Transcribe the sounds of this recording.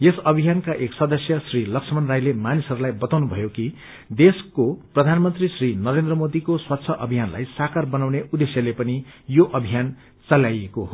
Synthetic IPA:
jesʌbʱijankaʔeksʌd̪ʌsjʌsrilʌksʰʌmʌnrajlemanisʌɾulajbʌt̪awnubʱʌ̰joki | d̪eskoprʌd̪ʱanmʌnt̪risrinʌɾend̪rʌmod̪ikoswat̪ːsʰʌʔʌbʱijanla̰jsakarbʌnawneud̪esjʌlepʌnijoʔʌbʱijan | t͡sʌlajekoɦo

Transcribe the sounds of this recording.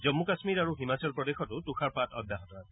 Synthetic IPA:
zɔmːukasmiɹaɹuɦimat͡sɔlpɹɔdexɔtʊtuxʰaɹpatɔ̰dʱaɦɔtɔa

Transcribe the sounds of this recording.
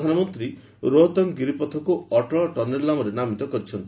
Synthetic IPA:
d̪ʱanɔmɔnt̪ɾi | ɾoɦɔt̪ɔŋɡiɾipɔt̪ʰɔkuɔʈɔɭʈɔɾnelːamɔɾenamit̪ɔkɔɾit͡ʃʰɔnt̪i

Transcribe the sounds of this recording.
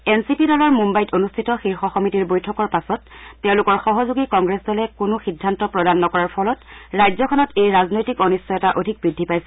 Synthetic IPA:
ensipidɔlɔɹmumbajtonustʰitɔxiɹxɔxɔmitiɹbojtʰɔkɔɹpasɔtːɛʊ̃lʊkɔɹxɔɦɔzuɡikɔŋɡɹesdɔlɛkʊnʊxidʱːantɔpɹɔdanːɔkɔɹaɹpʰɔlɔtɹajzɔkʰɔnɔtejɹaznojtikɔnisɔɛtaʔodʱik̚bɹidʱːipajsɛ

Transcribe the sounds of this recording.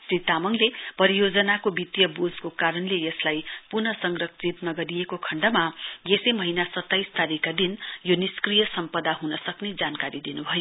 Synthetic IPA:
srit̪amʌŋlepʌɾijod͡zʌnakobit̪jʌbod͡zkokaɾʌnlejeslajpurnʌsʌŋɡrʌkt͡sʰit̪nʌɡʌɾijekokʰʌɳɖʌmajesemʌɦinasʌt̪ːajst̪aɾikːad̪injoniskrijʌsʌmpʌd̪aɦunʌsʌkned͡zankaɾid̪inubʱʌjo

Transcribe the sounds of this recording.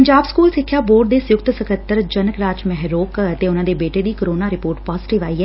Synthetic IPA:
əɲd͡ʒaːbskuːlsɪkʰːjaːboːɖd̪eːsʊjʊkt̪səkʰət̪ːəɾd͡ʒənəkɾaːd͡ʒmɛɦɾoːkət̪eːʊnãːd̪eːbeːʈeːd̪iːkəɾoːnaːɾɪpoːɾʈpaːzʈɪʋaːiːɦɛː

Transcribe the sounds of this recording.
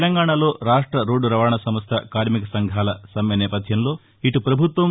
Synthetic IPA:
lɐŋɡaːɳalo̞ːɾaːʂʈɾɐɾo̞ːɖuɾɐʋaːɳɐsɐmɐst̪ʰɐkaːɾmikɐsɐŋɡʱaːlɐsɐmjɐnɛːpɐd̪ʱjɐmlo̞ː | iʈupɾɐbʱut̪ʋɐ

